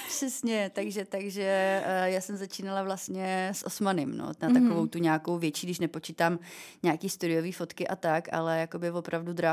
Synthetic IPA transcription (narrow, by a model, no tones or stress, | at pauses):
pʃɛsɲɛt̪aɡʒɛt̪aɡʒɛjaːsɛmzat͡ʃiːnalavlast̪ɲɛsʔo̰smanɪmno̰nat̪akovowt̪uɲaːkowvjɛt͡ʃiːɡdɪʃnɛpo̞t͡ʃit̪aːmɲaːkiːst̪uɾɪjoviːfo̞t̪kɪʔa̰t̪aka̰lɛjako̞bɪvo̞pɾavdud̪ɾa